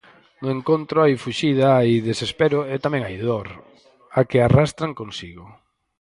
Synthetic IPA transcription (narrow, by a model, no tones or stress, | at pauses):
nʊẽŋkont̪ɾʊajfuʃiðaajðesespeɾʊɛt̪amɛ̃ŋajðoɾ | akɪarast̪ɾaŋkonsiɣʊ